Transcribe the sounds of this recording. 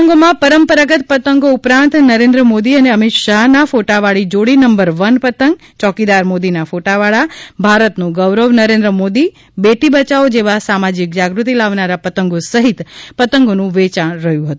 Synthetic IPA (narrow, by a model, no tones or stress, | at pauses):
əŋɡomãpəɾəmpəɾəɡət̪̚pət̪əŋɡoupɾãnt̪nəɾẽnd̪ɾəmod̪iəneəmɪt̪ʃaɦnafoʈaʋaɭid͡ʒoɽinəmbəɾʋənpət̪əŋɡ̚ | t͡ʃɔkid̪aɾmod̪inafoʈaʋaɭabʱaɾət̪nũɡəʋɾəʋnəɾẽnd̪ɾəmod̪i | beʈibət͡ʃaod͡ʒeʋasamad͡ʒik̚d͡ʒaɡɾut̪ilaʋnaɾapət̪əŋɡosəɦit̪pət̪əŋɡonũʋet͡ʃaɳɾəɦjũɦət̪ũ